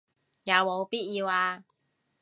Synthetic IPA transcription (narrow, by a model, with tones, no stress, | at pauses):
ja˨˧wmo˨˧wpiː˥t̚jiː˧waː˧